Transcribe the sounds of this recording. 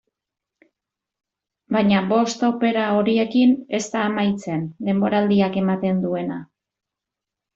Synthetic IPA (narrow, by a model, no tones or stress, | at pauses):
bajɲaβo̞st̪owpe̞ɾao̞ɾie̞kine̞st̪aːmajt͡se̞nd̪e̞mbo̞ɾald̪iake̞mat̪e̞nd̪ue̞na